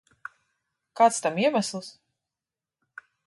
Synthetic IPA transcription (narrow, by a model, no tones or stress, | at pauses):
kaːt̪st̪amiɛmæslˠs